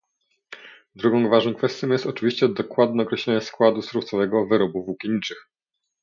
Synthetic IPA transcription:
d̪ɾuɡɔ̃w̃vaʐnɔ̃w̃kfɛst̪ʲjɔ̃jɛst̪ɔt͡ʂɘvʲiɕt͡ɕɛd̪ɔkwad̪nɛɔkɾɛɕlʲɛɲɛskwad̪usɾuft̪sɔvɛɡɔvɘɾɔbuvukʲiɲit͡ʂɘx

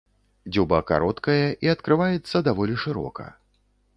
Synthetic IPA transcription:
d͡zʲubɐka̰ɾɔt̪kɐjɐʔiɐt̪kɾɨvajɛt̪sːɐd̪avɔlʲiʂɨɾɔ̰kɐ̰

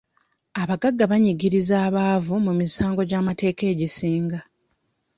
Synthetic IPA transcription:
aβaɡaɡːaβaɲiɡiɾizaːβaːvumumisaːŋɡo̞ɟaːmate̞ːke̞ːɟisiːŋɡa

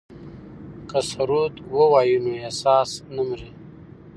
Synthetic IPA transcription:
kəsaɾut̪wowaːjunuesɑːsnəmɾi

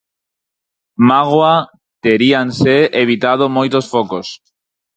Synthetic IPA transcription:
maɣwa | t̪eɾianseeβit̪að̞omojt̪osfokos

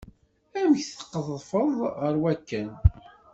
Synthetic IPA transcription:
æmçθə̥qːəðˤfəðˤʁəɾwækːæn

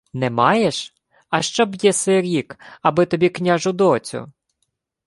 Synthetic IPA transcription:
nɛmɑjɛʃ | ɐʃt͡ʃɔbjɛsɪɾʲikɐbɪt̪ɔbʲiknʲaʒʊd̪ɔt͡sʲʊ̰

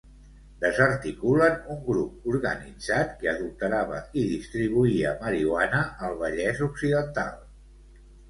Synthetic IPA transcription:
d̪əzərt̪ikulənuŋɡɾup̚uɾɣənid͡zat̪kəðult̪əɾaβə̰iðist̪ɾiβ̞uiəməɾiwanəəlˠβ̞əʎɛzuksiðənt̪a̰lˠ

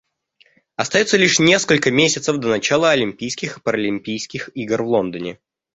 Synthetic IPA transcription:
ɐst̪ɐjot̪səlʲiʂnʲe̞skəlʲkəmʲesʲɪt̪səvd̪ənɐt͡ɕalˠəɐlʲɪmʲpʲijskʲɪxpəɾəlʲɪmʲpʲijskʲɪxiɡrvlˠo̞nd̪ənʲɪ

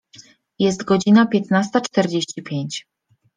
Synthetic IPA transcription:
jɛst̪ɡɔd͡ʑinapʲjɛt̪nast̪at͡ʂt̪ɛɾd͡ʑeɕt͡ɕipʲjeɲt͡ɕ

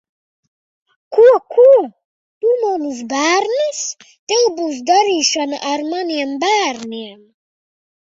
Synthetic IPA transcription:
kʰuakʰu | bumonuzbaɾnis | d̪̥ebuzd̪aɾiʃanaʔaɾmaniambaɾniam

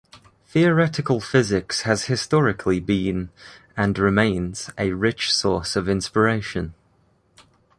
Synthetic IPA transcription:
θiəɹɛtɪkəlˠfɪzɪkshəz̥hɪstɒɹɪkʰlibĩn | ə̃nɹɪmẽɪ̃nz̥əɹɪt͡ʃsɔˑsəvɪ̃nspɪɹeɪʃə̃n

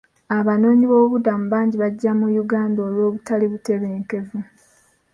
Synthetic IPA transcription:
aβano̞ːɲiβo̞ːβudamuβaːɲɟiβaɟːamujuɡaːndoːlwo̞ːβutaliβute̞βeːŋke̞vu

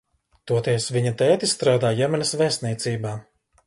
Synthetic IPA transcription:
t̪uɔt̪iɛsviɲɐt̪ɛːt̪ist̪ɾaːd̪aːjɛmɛnɛsvɛst̪niɛt̪siːbaː

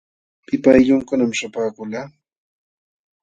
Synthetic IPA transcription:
pɪpajʎʊŋkʊnamʃapaːkʊlaː

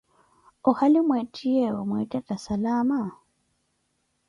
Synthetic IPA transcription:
ʊhalɪmwetʼiɛwamwɛtʼɛtʼasalaːma

